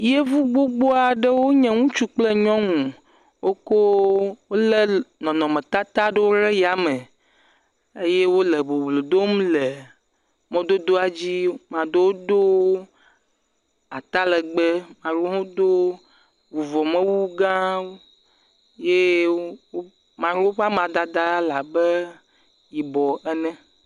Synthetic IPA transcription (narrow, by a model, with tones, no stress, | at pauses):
je˦vu˦ɡ͡bo˦ɡ͡bo˦a˨ɖe˦wo˦ɲɛ̃˦ŋũ˦t͡ʃu˦k͡ple˦ɲɔ̃˦ŋũ˨ | wʔo˦ko˦wo˦le˦nɔ̃˨nɔ̃˨mẽ˨t̪a˦t̪a˦ɖe˦wo˦ɾe˦ja˨me˨ | e˦je˦wo˦le˨bo˨blo˨d̪o˦m˦le˨ | mẽ˦d̪o˦d̪o˦a˨d͡ʑi˦mã˨d̪o˦wo˦d̪o˦ | a˨t̪a˦lɛ˨ɡ͡bɛ˦mã˨ɾo˦ɦõ˦d̪o˦ | wu˨vɔ˨mɛ̃˦wu˦ɡã˦o˦ | je˦wo˦ | mã˨ɾwo˦ɸa˦m˦ã˨d̪a˦d̪a˦la˨bɛ˦ | ji˨bɔ˨ʔɛ˨nɛ̃˦